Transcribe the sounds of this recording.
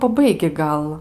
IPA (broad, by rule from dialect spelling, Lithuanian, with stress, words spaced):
pɐˈbɐɪɡʲɪ ˈɡɐlˠ